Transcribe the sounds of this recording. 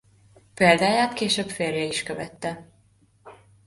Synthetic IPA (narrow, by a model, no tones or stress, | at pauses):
peːld̪aːjaːt̪keːʃøːbfeːrjɛiʃkøvɛt̪ːɛ